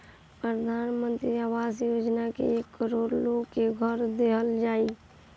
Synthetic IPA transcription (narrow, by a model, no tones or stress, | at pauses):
pɾəd̪ʱanmənt̪ɾiaʋasjod͡ʒnakḛekːəɾoɾloɡkeɡʱəɾd̪eɦəld͡ʒai